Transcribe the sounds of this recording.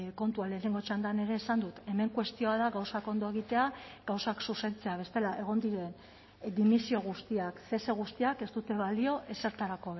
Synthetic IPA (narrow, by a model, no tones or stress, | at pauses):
ko̞nt̪ualeːne̞ŋɡo̞t͡ʃand̪ane̞ɾe̞ːsand̪ut̪e̞me̞ŋkwe̞st̪io̞aðaɣawsako̞nd̪o̞e̞ɣ̞it̪e̞aɡawsaksuse̞nt͡se̞aβ̞e̞st̪elaʔe̞ɣ̞o̞nd̪iɾe̞n | d̪imisio̞ɣ̞ust̪iakθe̞seɣ̞ust̪iake̞zt̪ut̪e̞β̞alio̞ʔe̞se̞ɾt̪aɾako̞β